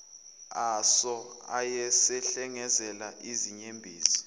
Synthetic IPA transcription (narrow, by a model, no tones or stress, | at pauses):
asɔa̰jɛsɛɬɛŋɛzɛlaʔiziɲembʱiːzi̥